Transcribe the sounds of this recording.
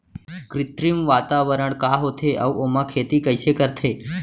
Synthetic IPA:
kɾɪt̪ɾimʋaːt̪aʋəɾəɳkaɦot̪ʰeʔə̰uʔomãkʰeːt̪ikəjsekəɾt̪ʰeː

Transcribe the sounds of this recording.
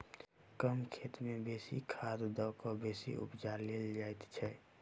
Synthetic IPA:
kəmkʰeːt̪mẽbeːsḭkʰad̪d̪ɔːkobeːsḭʔʊ̰pd͡ʒaɾleld͡ʒajt̪t͡ʃʰɛ

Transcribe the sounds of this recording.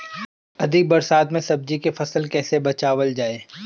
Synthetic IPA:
ɐd̪ʱiɡ̚bɐɾsaːt̪mẽsɐb̚d͡ʒikefɐsəlkɛːsebɐt͡ʃaːʋəld͡ʒaːeː

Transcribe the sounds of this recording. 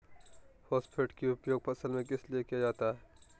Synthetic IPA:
fʰɔːsʈpʰeːʈkiʊpjoːɡ̚pʰɐsəlmẽkɪsliekijad͡ʒaːt̪aɦɛː

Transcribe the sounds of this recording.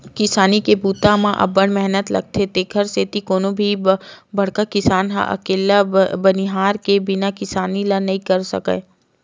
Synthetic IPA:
kɪsaːnikebuːt̪amãʔɐ̰bəɽ̃mɛɦnət̪lɐ̰ɡ̚t̪ʰet̪eːkʰəɾseːt̪ikoːnobʱibɐɽ̤kakɪsaːnɦa̰ʔɐ̰keːlabɐniɦaːɾkebɪnakɪsaːnilanɐɦĩkɐɾsɐ̰kḛː

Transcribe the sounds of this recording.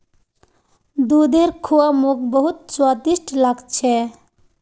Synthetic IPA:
d̪ud̪eɾkʰuamuk̚bəɦut̪̚swad̪isʈlaɡt͡ʃʰɛ

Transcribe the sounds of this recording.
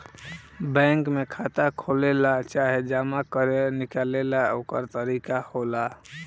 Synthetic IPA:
bɛ̃ŋkmekʰat̪akʰolelat͡ʃaɦed͡ʒamakəɾenikalelaokə̰ɾt̪əɾikahola

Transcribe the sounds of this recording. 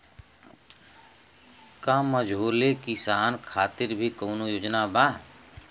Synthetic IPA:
kaməd͡ʒʱoːlekisaːnkʰaːt̪ɪɾbʱikəʊnojoːd͡ʒnabaː

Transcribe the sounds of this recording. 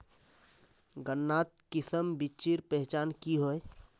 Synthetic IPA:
ɡənːaːt̪̚kɪsəmbit͡ʃiɾpɛɦt͡ʃaːnkiɦoe

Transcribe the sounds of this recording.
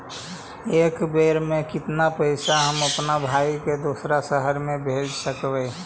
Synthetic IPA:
eːkbeɾmẽkɪt̪napəɪsaɦəməpnabʱaiked̪osɾasəɦəɾmẽbʱed͡ʒsəkbɛ

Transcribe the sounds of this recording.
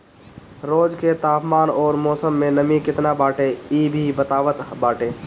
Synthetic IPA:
ɾoːd͡ʒket̪aːpmaːnɔːɾmɔːsəmːẽnəmikɪt̪nabaːʈeiːbʱibət̪aːʋət̪baːʈeː

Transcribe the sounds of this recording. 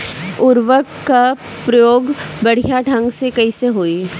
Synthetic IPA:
ʊɾʋəkːa | pɾɐjoːɡbɐɽ̤ijaɖʱɐ̃ŋɡsekɐiseɦoːi

